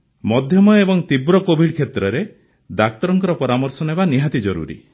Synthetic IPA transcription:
mɔd̪ʱjɔmɔebɔŋt̪ibɾɔkobʱiɖkʰet̪ɾɔɾe | d̪ak̚t̪ɔɾɔŋkɔɾɔpɔɾamɔɾsɔnɔɦebaniɦat̪id͡ʒɔɾṵɾḭ

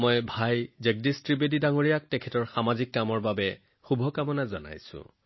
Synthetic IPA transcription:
mɔjbʱajzɛk̚distɹibedidaŋoɹijak̚tɛkʰɛtɔɹxamazikːamɔɹbabɛ | xubʱɔkamɔnazɔna̰jsʊ̰̃

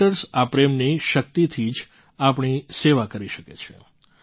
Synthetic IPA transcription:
əɾsapɾemniʃək̚t̪it̪ʰid͡ʒ | apɳ̃iseʋakəɾiʃəket͡ʃʰḛ

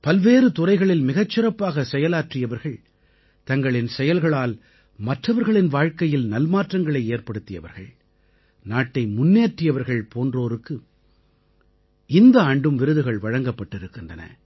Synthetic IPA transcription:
pɐlʋeːɾɯt̪ʊrɐɪɣɐɭɪlmɪɣɐt͡ʃːɪrɐpːaːɣɐsɛjɐlaːʈrɪjɐʋɐɾɣɐɭ | t̪ɐŋɡɐɭɪnsɛjɐlɣɐɭaːl | mɐʈrɐʋɐɾɣɐɭɪnʋaːɻkɐjɪlnɐlmaːʈrɐŋɡɐɭɐɪeːɾpɐɽɯt̪ːɪjɐʋɐ̰ɾɣɐ̰ɭ | naːʈːɐɪmʊnːeːʈrɪjɐʋɐɾɣɐɭpʰoːndroːɾɯkːɯ | ɪnd̪ɐɐɳɖɯmʋɪɾɯðɯɣɐɭʋɐɻɐŋɡɐpːɐʈːɪɾɯkːɯndrɐnɐ̰

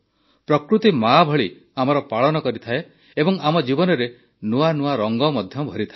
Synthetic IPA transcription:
pɾɔkɾut̪imabʱɔɭi | amɔɾɔpaɭɔnɔkɔɾit̪ʰae | ebɔŋamɔd͡ʒibɔnɔɾe | nuanuaɾɔŋɡɔmɔd̪ʱjɔbʱɔɾit̪ʰae

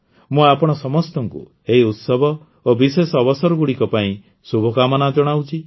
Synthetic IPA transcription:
mũapɔɽ̃ɔsɔmɔst̪ɔŋkṵ | eɦiut̪sɔbʱɔ | obisesɔːbɔsɔɾɔɡuɽikɔpaĩ | subʱɔkamɔnad͡ʒɔɽ̃awt͡ʃʰi

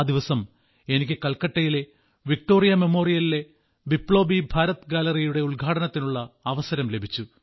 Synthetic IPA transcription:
d̪iʋɐsɐm | e̞nikʲːɨkɐlkɐʈːɐjile̞ | ʋik̚ʈo̞ːrijɐme̞moːrijɐlile̞ | bipːɭo̞ːbibʱaːɾɐt̪ɨɡalɐrijuɽe̞uɭɡʱaːʈɐnɐt̪ːinuɭːɐːʋɐsɐɾɐmle̞bʱit͡ɕːu

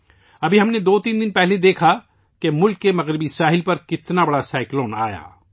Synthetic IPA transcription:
ɐbʱiɦɐmned̪oːt̪iːnd̪ɪnpɛɦled̪eːkʰa | kemʊlkːemɐɣɾɪbisaːɦɪlpɐɾkɪt̪nabɐɽasaːɪkloːna̰ːja̰ː

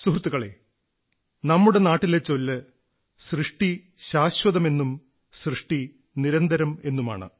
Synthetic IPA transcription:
suɦrt̪ːuɣɐɭe̞̰ː | nɐmːuɽe̞naːʈːilet͡ɕːo̞lːɨ | srɨʂʈi | ɕaːɕwɐðɐme̞nːum | srɨʂʈi | niɾɐnd̪ɐɾɐme̞nːuma̰ːɳɨ̰

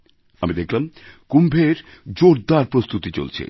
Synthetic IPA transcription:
amid̪ekʰlamkumbʱeɾd͡ʑoɾd̪aɾpɾost̪ut̪it͡ɕo̰lt͡ɕʰḛ

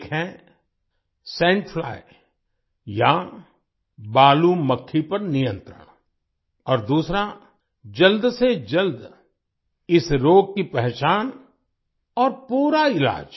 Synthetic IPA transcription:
kʰɦɛ̃ | sɛ̃ːɳʈfla̰ːɪ | ja | baːluməkʰːipɐɾnɪjə̃nt̪ɾə̰ɽ̃ | ɔːɾd̪uːsɾa | d͡ʒəld̪sed͡ʒəld̪ | ɪsɾoːɡ̚kipɛɦt͡ʃaːn | ɔːɾpuːɾaɪla̰ːd͡ʒ

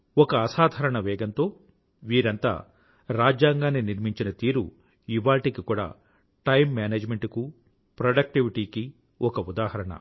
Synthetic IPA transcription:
ɔkɐːsaːd̪ʱɐɾɐɳɐʋɛːɡɐnt̪o̞ː | ʋiːɾɐnt̪a̰ː | ɾaːd͡ʒjaːŋɡaːnːiniɾmiɲt͡ʃinɐt̪iːɾu | iʋaːʈikikuːɽa̰ː | ʈɐjmːaːneːd͡ʒmeɳʈuku | pɾɐɖɐk̚ʈiʋiʈiːki | ɔkɐud̪aːhɐɾɐɳɐ̰

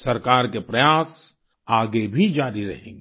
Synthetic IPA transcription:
sɐɾkaːɾkepɾɐjaːs | aːɡebʱid͡ʒaːɾiɾɐ̰ɦḛ̃ːŋɡe

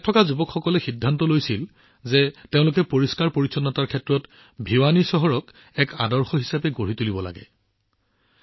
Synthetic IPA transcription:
tʰːɔkazubɔkʰxɔkɔlɛxidʱːantɔlojsil | zɛteʊ̃lʊk̬ɛpoɹiskaɹpoɹisɔnːɔtaɹkʰɛtɹɔt | bʱiwanisɔɦɔɹɔk | ɛkadɔɹxɔɦisapɛɡoɹitulibɔla̰ɡɛ̰

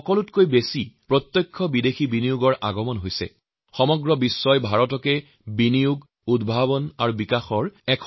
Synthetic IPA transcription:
ɔkɔlutkojbesipɹɔt̪jɔjkʰːɔbidexibinijuɡɔɹʔaɡɔmɔnɦojsɛ̰ | xɔmɔɡɹɔbisːɔjbʱaɹɔtɔkɛ | binijuɡ | udbʱaβɔnaɹubikaxɔɹɛkʰ

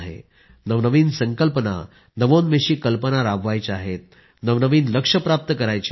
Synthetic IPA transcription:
ɦḛ | nəʋnəʋiːnsəŋkəlpəna̰ | nəʋonmeɕiːkəlpənaɾabʋajt͡ɕaɦet̪̚ | nəʋnəʋiːnləkʂəpɾap̚t̪əkəɾajt͡ɕ

